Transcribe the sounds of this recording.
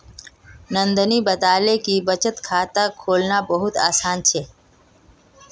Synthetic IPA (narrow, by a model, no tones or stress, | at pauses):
nə̃nd̪əniːbət̪aːlekibət͡ʃət̪kʰaːt̪akʰoːlnabəɦʊt̪a̰ːsaːnt͡ʃʰeː